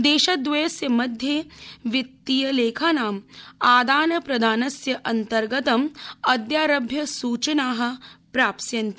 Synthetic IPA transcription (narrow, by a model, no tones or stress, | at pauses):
d̪eːʃɐd̪ʋeːɐsjɐmɐd̪ʱjeʋɪt̪ːijɐleːkʰaːnaːmaːd̪aːnɐpɾɐd̪ʱaːnɐsjɐʔɐnt̪ɐɾɡɐt̪ɐmɐd̪jaːɾɐbʱjɐsuːt͡ʃɐnaːɦɐ̆pɾaːpsjɐnt̪i